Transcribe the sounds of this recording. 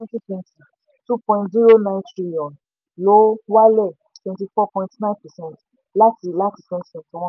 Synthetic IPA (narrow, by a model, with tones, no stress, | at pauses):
ɛ̃˦ti˦pɔ̃˧˨ti˨ | tu˦pɔ̃˧ĩntzi˦ɾo˦nã˧˨ntɾi˦jɔ̃˨n | lo˨˦wa˦lɛ˦˨ | tɛ̃˧nti˧fɔ˦pɔ̃˧ĩ˧tnã˦npɛ˨sɛ̃˦˨t | la˦ti˧˨la˦ti˧fɛ̃˧sɛ̃˨tɔ̃˧˦w̃ɔ̃˦